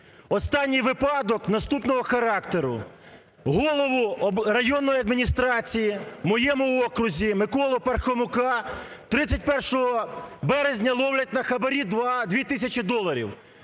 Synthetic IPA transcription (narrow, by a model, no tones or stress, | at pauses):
ɔst̪ɑnʲːijʋɪpɑd̪ɔknɐst̪upnɔɦɔxɐɾɑkt̪eɾʊ̰ | ɦɔlˠɔʋʊrɐjɔnːɔjiɐd̪mʲinʲist̪ɾɑt͡sʲijimɔjɛmʊɔkɾʊzʲimɪkɔlˠɔpɐrxɔmʊkɑ | t̪ɾɪt͡sʲːɐtʲpɛrʃɔɦɔbɛɾezʲnʲɐlˠɔwlʲɐtʲnɐxɐbɐɾʲid̪ʋɑd̪ʲʋʲit̪ɪsʲɐt͡ʃɪd̪ɔlˠɐɾʲḭw